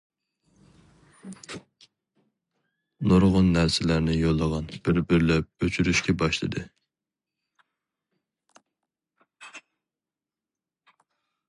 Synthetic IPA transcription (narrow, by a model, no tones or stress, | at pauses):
noɾʁʊnːæɾsɪlæɾnɪjolˠːəʁɑnb̥ɪɾbɪɾlɛp̚øt͡ʃʰyɾyʃkʲɛbɑʃlˠɨ̰d̪ɨ